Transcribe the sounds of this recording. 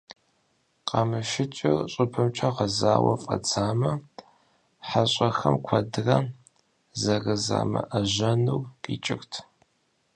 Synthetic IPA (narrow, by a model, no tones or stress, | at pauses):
qɐmɨʃɪt͡ʃʼɪrɕʼɨpʰɨmt͡ʃʰɐʁɐzaːwɐ̰fʼɐ̰t͡sʰaːmɐ | ħaɕʼɐxɐmkʷʰɐdɨrɐ | zɐrɨza̰ːmɐʔɐʑɐnuwqʼiːt͡ʃʼɪxtʰ